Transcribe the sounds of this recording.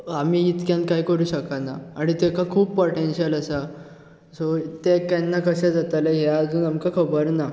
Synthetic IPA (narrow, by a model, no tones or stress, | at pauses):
am̤iːit̪kjãnkajkəɾuːɕəkanaaɽ̃it̪ekakʰuːbpoʈenɕiələsa | sot̪ekjanːakəɕɛ̃d͡zat̪aleɦjaːd͡zuːnamkakʰəbəɾna